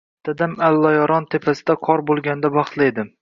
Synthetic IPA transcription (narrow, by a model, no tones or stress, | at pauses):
t̪ʰad̪amalːɒjɒɾɒnt̪ʰepʰasɪd̪aqʰɒɾbolˠɡʲand̪abɑχt̪lˠajd̪ɪm